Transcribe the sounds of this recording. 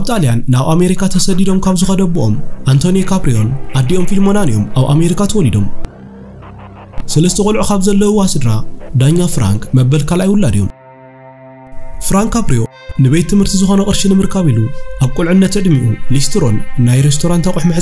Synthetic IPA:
kaβt̪ʼalijanːaβʔame̞ɾikʰat̪ʰɐsɐd̪id̪o̞mkʰaβzɨxɐd̪ɐbɨʔo̞̰mʔant̪ʰo̞njekʰapɾijo̞nʔad̪ːiʔo̞mfilmo̞nanɨjo̞̰mʔaβʔame̞ɾikʰat̪ʰɐwɔlid̪o̞m | sɨlɐst̪ʰɐkʼulʕukaβzɐlːɐuwasɨd̪ɾad̪aɲːafɾa̰ŋkmɐbːɐlkʰalʔajwʊlːad̪ijo̞m | fɾaŋkʰːapɾijo̞ | nɨβe̞jt̪ʰːɨmhɨɾt̪ʰizɨxo̞nɐkʼɨɾʃinɨmɨɾkʰaβiluʔaβkʼulʕɨnːɐt̪ʕɨd̪miʔulist̪ʰɾo̞nːajɾest̪ʰo̞ɾant̪ʰakʼʊħmɨħʼ

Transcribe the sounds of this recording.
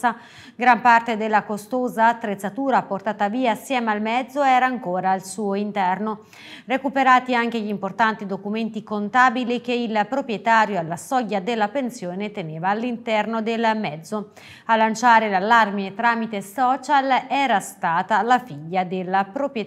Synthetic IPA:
a | ɡɾampart̪ed̪elːakost̪oːzaːt̪ːɾet̪sːat̪uːɾaport̪aːt̪aviːaːsːjɛːmalmɛd̪zːoɛːɾaːŋkoːɾaːlsuːoint̪ɛrno | rekupeɾaːt̪iaŋk̟eʎimport̪ant̪id̪okument̪ikont̪aːbilik̟eilpɾopɾjɛt̪aːɾjoalːasɔɟːad̪elːapensjoːnet̪eneːvaːlːint̪ɛrnod̪elmɛd̪zːo | alːant͡ʃaːɾelalːarmiet̪ɾaːmit̪esɔːt͡ʃalɛːɾast̪aːt̪alafiʎːad̪elːapɾopɾ

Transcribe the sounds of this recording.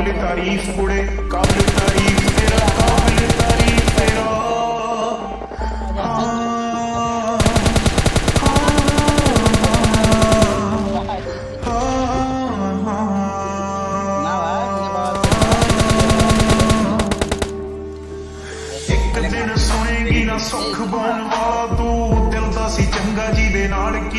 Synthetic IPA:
let̪aːɾiːfʰkʊɽeːkaːbɪlet̪aːɾiːkʰt̪eːɾaːkaːbɪlet̪aːɾiːfʰd̪eːɾaː | ha | ha | ɦ | ha | ɦ | ɪkd̪ɪnsʊɽ̃eːɡiːnaːsʊkʰbaːnʋaːlaːt̪õːd̪əld̪aːsiːt͡ʃəŋɡaːd͡ʒiːd̪eːnaːlk

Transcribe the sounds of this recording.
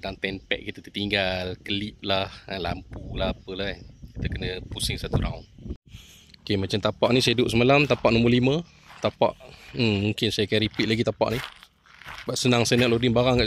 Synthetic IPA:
daŋt̪ɛnpɛ̰ʔ̚kit̪ət̪ət̪iŋɡalkəlip̚lahalampulahapəlaki̥t̪əkənəpusɪŋsat̪uɾa̰un | okemat͡ʃamt̪apaʔnisaidʊʔsəmalamt̪apaʔnõmbəlimə̃ | t̪apa̰ʔm̩muŋkɪnsajakaɾipit̪̚laɡit̪apa̰ʔni | basənaŋsaənaʔlodɪnbaɾaŋkaʔ

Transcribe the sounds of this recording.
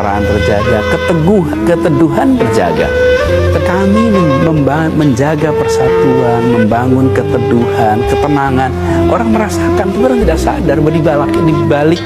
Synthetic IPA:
ɾa̰anbərd͡ʒa̰ɡakət̪əɡu | kət̪əduɦanbərd͡ʒa̰ɡa̰kəkamiməmba | məɲd͡ʒaɡapərsat̪uanməmbaŋʊnkət̪əduhankət̪ənaŋan | ʔoɾaŋməɾasakant̪uɡaɾaŋt̪idaʔsa̰darbədibalakidibalɪk̚

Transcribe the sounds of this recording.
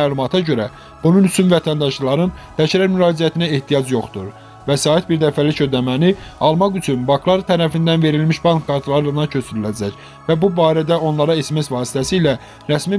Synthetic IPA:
æːlumɑt̪ʰɑɟø̞ɾæ | b̥ununyt͡ʃʰynvæt̪ʰænd̪ɑʃllˠɑɾɯnd̪̥æʃæɾæɾmyɾɑːd͡ʒijæt̪ʰinæeht̪ʰijɑd͡ʒjo̞χt̪uɾ | væsɑːit̪biɾd̪æfælicʰød̪æmæniɑlˠmɑɣyt͡ʃʰynbɑŋkʰlˠɑɾt̪ʰæɾæfind̪ænve̞ɾilmiʃbɑŋkʰːɑɾt̪ʰlˠɑɾɯɯnɑcʰø̞sʰyɾylæd͡ʒæc | væbubɑːɾæd̪æo̞nlˠɑɾɑesemesvɑːsi̥t̪ʰæsiːlæ | ɾæsmi

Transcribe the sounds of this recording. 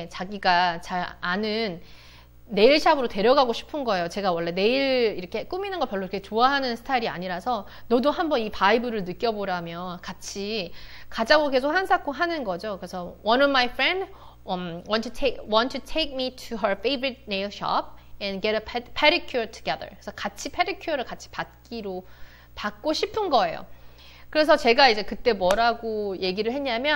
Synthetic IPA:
t͡ɕaɡiɡat͡ɕaɾanɯnː | e̞iɭɕʰabɯɾote̞ɾjʌɡaɡoɕʰi̥pʰɯnɡʌe̞jot͡ɕe̞ɡawʌɭːe̞ne̞iɾɭiɾʌkʰe̞k͈uminɯnɡʌpjʌɭːoiɾʌkʰet͡ɕoaɦanɯnsʰɯ̥tʰaiɾia̰ɲiɾasʰʌ | nʌdoɦambʌnipaibɯɾɯɭnɯk͈jʌboɾamjʌnkat͡ɕʰikad͡ʑaɡoke̞sʰokhansʰak͈ʰoɦanɯnɡʌd͡ʑokɯɾesʰʌwʌnʌvmajfɹɛ̃nd | ʌwʌntʰutʰekwʌ̃ntʰutʰeɪk̚mitʰuɦə˞fʰeɪbɯɾit̚nelɕʌ̰p̚ɛ̃nɡeɾəpʰpʰeɾikʰjtʰu̥ɡɛðə̰˞kesʰʌkat͡ɕʰipʰeɾikʰjɾɯɭkat͡ɕʰi̥pat̚k͈iɾo | pak̚k͈oɕʰipʰɯnɡʌe̞jo̰ | kɯɾe̞s̬ʰʌt͡ɕe̞ɡaid͡ʑe̞kɯt͈e̞mwʌɾaɡoje̞ɡiɾɯɭɦe̞ɲɲamjʌ

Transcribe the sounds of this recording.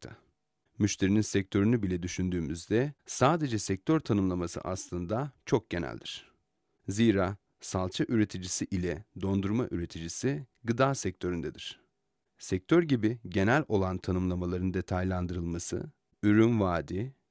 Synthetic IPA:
t̪ʰa | myʃt̪ʰe̞ɾininsɛc̚t̪ʰø̞ɾynybilʲɛd̪yʃynd̪yːmyzd̪ɛsaːd̪e̞d͡ʒɛsɛc̚t̪ʰøɾt̪ʰanɯmlˠamasɯ̰ʔaslˠɯnd̪at͡ʃʰo̞k̚ɟ̥e̞næ̰lʲd̪iɾ̝̥ | ziːɾaː | salˠt͡ʃʰaʔyɾe̞t̪ʰid͡ʒisiʔilʲɛd̪o̞nd̪uɾmaʔyɾe̞t̪ʰid͡ʒisiɡɯd̪aːsɛc̚t̪ʰø̞ɾynd̪ɛd̪iɾ̥ | sɛc̚t̪ʰøɾɟibiɟe̞nælʲo̞lˠant̪ʰanɯmlˠamalˠaɾɯnd̪e̞t̪ʰajlʲˠand̪ɯɾɯlˠmasɯ̰ | yɾynvaːd̪i

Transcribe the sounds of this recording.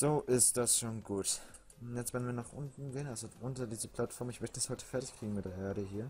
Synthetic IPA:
z̥oːʔɪstd̥asʃoːnɡuːt | jɛt͡stv̥ɛɐdnviɐnaːχʔʊ̰ntn̩ɡeːənʔalzoʔʊntɐdiːzəpʰl̥atfɔɐmɪçmœçtəd̥ashɔʏtə̥fɛɐtɪçkʁ̥iːɡŋ̩mɪt̚d̥eːɐʔeːɐɾəɦiːɐ

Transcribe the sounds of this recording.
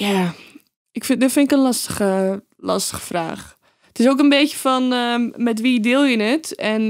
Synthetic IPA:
ja | ɪkfɪdɪtfɪnɪkənlɑstə̥xə | lɑ̰stə̥xə̥fra̰ːx | ətɪsoːkənbeːjəfɔnəmɛtʋidɪːlˠjənətɛn

